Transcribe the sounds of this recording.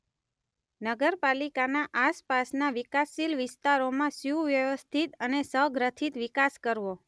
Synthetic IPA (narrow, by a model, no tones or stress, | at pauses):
nəɡəɾpalikanãʔaspasnaʋɪkasːilʋɪst̪aɾomãsjuʋjəʋəst̪ʰit̪ənesəɦɡɾət̪ʰit̪ʋikaskəɾʋo